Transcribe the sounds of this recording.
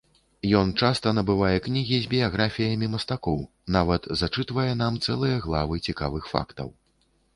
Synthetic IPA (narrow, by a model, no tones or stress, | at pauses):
jɔnt͡ʂast̪ɐnɐbɨvajɛknʲiɣʲizʲbʲijaɣɾafʲijɐmʲimɐst̪akɔw | navɐt̪zat͡ʂɨt̪vɐjɛn̪amt̪sɛlˠɨjɐɣlˠavɨt͡sʲika̰vɨxfa̰kt̪ɐ̰w